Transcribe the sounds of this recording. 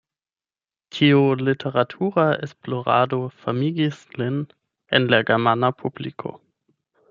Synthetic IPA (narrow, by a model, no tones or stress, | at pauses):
tʰiulitʰeʁatʰuʁaḛsploʁa̰ːdofamiɡislɪn | ḛnlaɡɛmanapʰublikʰo̰